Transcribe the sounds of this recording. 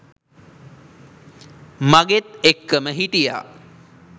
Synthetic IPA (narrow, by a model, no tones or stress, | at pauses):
maɡet̪ekːəməɦiʈija̰ː